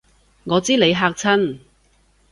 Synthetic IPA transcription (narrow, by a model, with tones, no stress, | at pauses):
ŋɔː˨˧t͡siː˥le˨˧jɦaː˧k̚t͡sʰɐ˥n